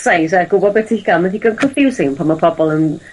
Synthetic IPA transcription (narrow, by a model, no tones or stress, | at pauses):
sajsaɡ̥ʊbɔdbɛtʰihiɡ̥alˠməðiɡənkʰɔnfjuwsɪŋnpʰanmapʰɔbɔlˠən